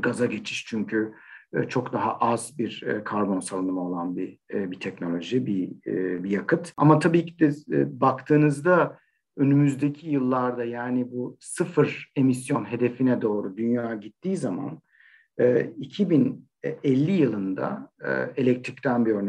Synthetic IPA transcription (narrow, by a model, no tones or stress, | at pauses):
ɡazaɟe̞t͡ʃʰi̥ʃt͡ʃʰyɲcʰyt͡ʃʰo̞kd̪aɦa̰ʔazbiɾkʰaɾbo̞nsalˠɯnɯmao̞lˠanbibit̪ʰɛcno̞lʲo̞ʒibibijakʰɯt̪a̰mat̪ʰabiːcʰid̪ɛbakt̪ʰɯːnɯzd̪a | ø̞nymyzd̪e̞cʰijɯlˠːaɾd̪ajaːnibusɯfɯɾe̞mis̬jo̞nɦe̞d̪e̞finɛd̪o̞ːɾud̪ynjaːɟit̪ʰːiːzama̰n | ɛːicʰibin | ɛlʲːijɯlˠɯnd̪a̰elʲɛc̚t̪ʰɾict̪ʰænbiø̞ɾnɛ